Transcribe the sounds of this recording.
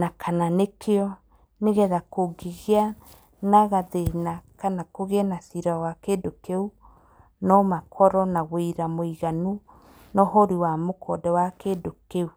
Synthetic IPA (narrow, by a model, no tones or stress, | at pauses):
nakʰananekʰeɔ | neɣɛðakoɡiɣia | naɣaðenakanakoɣeɛnasiɾawakedokeu | nɔmakʰɔɾɔnaɣwiɾamoiɣanu | nɔɦoɾiwamokʰɔdɛwakedokeu